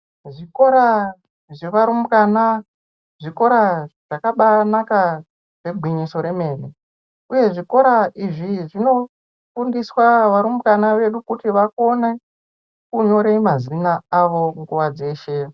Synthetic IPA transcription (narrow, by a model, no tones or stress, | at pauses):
ʐiko̞ɾa | ʐeʋaɾumukana | ʐiko̞ɾaʐ̥akaɓanaka | ʐe̞bʱwiɲiso̞ɾeme̞ːri | uje̞ʐiko̞ɾaiʐiʐino̞ | fundiswaʋaɾumukanaʋe̞ɗukutiʋako̞ne | kuɲo̞ɾemazinaːʋo̞ŋɡuʋad͡ze̞ːʃe̞